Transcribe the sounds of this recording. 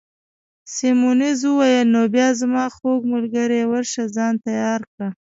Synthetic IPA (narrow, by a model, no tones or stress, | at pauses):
semunizwuwɑjəlnobjɑzmɑxoɡmʊlɡaɾewaɾʃazɑnt̪ajɑɾkɽa